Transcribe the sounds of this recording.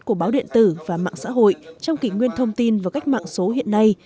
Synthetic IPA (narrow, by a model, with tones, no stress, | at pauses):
ku˧˩əɓaː˨˦wɗḭ˧˨ənt̪ɨ˧˩vaː˨˩ma̰ː˧˨ŋsa̰ː˧˥ɦo̰˧˨jt͡ɕɔ˧wŋ͡mki˨˩ŋwi˧ənt̪ʰə˧wŋ͡mt̪i˧nvaː˨˩ka˦˥jk̟̚ma̰ː˧˨ŋso˨˦hḭ˧˨ənːa˧j